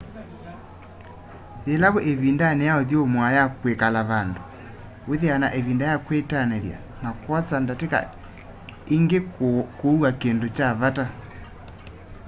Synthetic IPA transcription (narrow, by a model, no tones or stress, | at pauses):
elaβoʔeβindanɛjaoðjomwajakwekalaβando | weðeanaʔeβindajakwetanɛðja̰ | nakwat͡sandateka̰ | iŋɡekouakendot͡ʃaβata